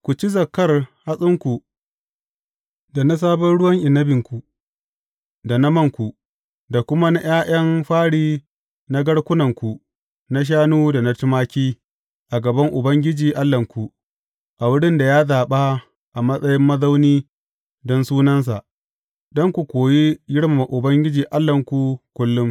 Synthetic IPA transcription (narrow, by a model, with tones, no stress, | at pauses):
kʷu˨t͡ʃi˦zɐ˨kːɐ˦rha˦sʼɪ˦ŋkʷu˨ | da˨na˦s̬aː˦bɐ˦nɽʊ˦wɐ˦ŋʔɪ˨nːɐ˦bɪ˨ŋkʷu˨ | da˨nɐ˦mɐ˦˨ŋkʷu˨ | da˨kʷʊ˦ma˦na˦j̰aː˦j̰ɐ˦mɸaː˦ɽiː˦ | na˦ɡɐ˦ɽkʷʊ˦nɐ˨ŋkʷu˨ | na˦ʃ̬aː˦nuː˦da˨na˦tɪ˦maː˦kʲiː˦ | ʔa˨ɡɐ˨bɐ˦ŋʔʊ˨bɐ˦ŋɡʲɪ˦d͡ʒiː˨ʔa˦lːɐ˨ŋkʷu˨ | ʔa˨wʊ˦ɽɪ˦nda˨jaː˦zaː˨ɓa˦ | ʔa˨mɐ˦sʼɐ˦jɪ˦mːɐ˦za˦wniː˦ | dɔ˦nsuː˦nɐ˦ns̬a˨ʔ | dɔ˦ŋkʷu˨kʷoː˨ji˦jɪ˦ɽma˨ma˨ʔʊ˨bɐ˦ŋɡʲɪ˦d͡ʒiː˨ʔa˦lːɐ˨ŋkʷu˨kʷʊ˦lːʊ˦m